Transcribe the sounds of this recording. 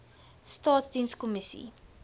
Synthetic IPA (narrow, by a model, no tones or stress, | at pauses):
stɑːtsdinskɔmisḭ